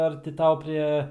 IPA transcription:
ˈɐr tʲɪ ˈtɐʊ ˈpʲrʲeː

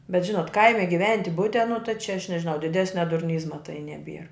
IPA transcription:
bʲɛt ˈʒʲɪnoːt ˈkɐɪmʲɪ ɡʲɪˈʋʲɛnʲtʲɪ ˈbʊtʲɛ nʊ tɐɪ t͡ʃʲɛ ɐʃ nʲɛʒʲɪˈnɐʊ dʲɪˈdʲæːsʲnʲɛ dʊrʲˈnʲiːzmɐ tɐɪ nʲɛˈbʲiɛr

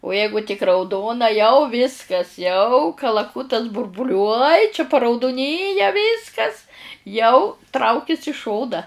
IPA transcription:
ʊ ˈjɛɪɡʊ tʲɪk rɐʊˈdoːnɐ jɛʊ ˈʋʲɪskɐs jɛʊ kɐlˠɐˈkʊtɐs bʊrbʊˈlʲuɔj t͡ʃʲɛ pɐrɐʊdʊˈnʲiːjɛ ˈʋʲɪskɐs jɛʊ ˈtrɐʊkʲɪs ɪ ˈʃoːnɐ

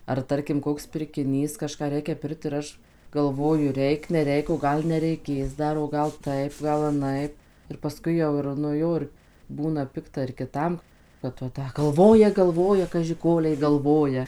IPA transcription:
ɐr ˈtɐrʲkʲɪm ˈkoːks pʲɪrʲkʲɪˈnʲiːs kɐˈʃkɑː ˈrʲɛɪkʲɛ ˈpʲɪrkt ɪr ˈɐʃ ɡɐlˠˈʋoːjʊ ˈrʲɛɪk nʲɛˈrʲɛɪk oː ˈɡɐlˠ nʲɛrʲɛɪˈkʲeːs ˈdɐr oː ˈɡɐlˠ ˈtɐɪp ˈɡɐlˠ ɐˈnɐɪp ɪr pɐˈskʊɪ jɛʊ ɪr nʊ ˈjoː ɪr ˈbuːnɐ ˈpʲɪktɐ ɪr kʲɪˈtɐm kɐt ʋɐ ˈtɐ ɡɐlˠˈʋoːjɛ ɡɐlˠˈʋoːjɛ kɐʒʲɪ ˈkoːlʲɛɪ ɡɐlˠˈʋoːjɛ

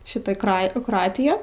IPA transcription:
ˈʃʲɪtɐ ˈkrɐ ɪ kroːˈɑːtʲɪjæː

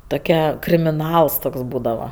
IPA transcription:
toːˈkʲɛ krʲɪmʲɪˈnɐlˠs ˈtoːks ˈbuːdɐʋɐ

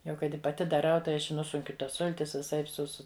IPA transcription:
jɛʊ ˈkɐɪ ˈtʲɪ pɐˈtʲɪ dɐˈrɐʊ tɐɪ ˈɐʃ ɪ ˈnʊsʊŋʲkʲʊ ˈtɐs ˈsʊlʲtʲɪs ʋʲɪˈsɐɪp sʊ ˈsʊ

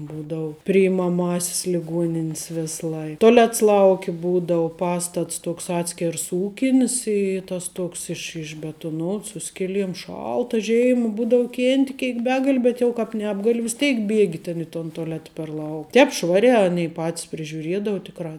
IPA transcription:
ˈbuːdɐʊ pʲrʲɪɪmɐˈmɑːsʲɪs lʲɪˈɡuɔnʲɪnʲɪs ˈʋʲeːs ˈlˠɐɪ toːˈlʲɛts ˈlˠɐʊkʲɪ ˈbuːdɐʊ ˈpɑːstɐts ˈtuɔks ˈɑːtʲsʲkʲɛrs ˈuːkʲɪnʲɪs ɪ ˈtɐs ˈtoːks ɪʃ ɪʒʲbʲɛtʊˈnoːts ˈsʊ sʲkʲɪˌlʲiɛm ˈʃɐlˠtɐ ˈʒʲeːɪmɐ ˈbuːdɐʊ ˈkʲeːnʲtʲɪ ˈkʲeːɪk ˈbʲæːɡɐlʲɪ ˈbʲɛt jɛʊ kɑːp ˈnʲæːbɡɐlʲɪ ʋʲɪs ˈtʲeːɪk ˈbʲiɛɡʲɪ tʲɛn ɪ toːn toːˈlʲæːtɐ pʲɛr lˠɐʊ ˈtʲɛːp ˈʃʋɑːrʲæː ˈɑːnʲɛɪ ˈpɑːtʲɪs pʲrʲɪʒʲʊˈrʲiɛdɐʊ ˈtʲɪkrɑː

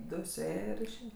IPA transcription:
ˈdʊ sʊˈeːjɛ ɪr ɪʃʲˈeːjɛ

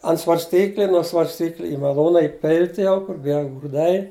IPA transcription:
ɐnt sʋɐrʲsʲˈtʲiːklʲɪ nuɔ sʋɐrʲsʲˈtʲiːklʲɪ ɪ mɐˈlˠuːnɐ ɪˈpʲɪlʲtʲ jɛʊ kʊr ˈʋʲiɛlˠ ɡruːˈdɐɪ

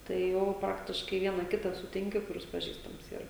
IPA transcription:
tɐɪ ˈjɛʊ ˈprɑːktʲɪʃkɐɪ ˈʋʲiɛnɐ ˈkʲɪtɑː sʊˈtʲɪŋʲkʲɪ kʊˈrʲɪs pɐˈʒʲiːstɐms ˈiːrɐ

